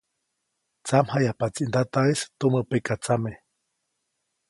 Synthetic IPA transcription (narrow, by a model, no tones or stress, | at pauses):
t͡samhajapat͡siʔnd̪at̪aest̪uməpekat͡same